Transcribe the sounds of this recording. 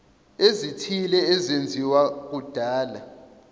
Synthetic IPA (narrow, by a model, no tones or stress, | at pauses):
ezitʰilɛːzend͡zʱiwak̬ud̥ʱaːla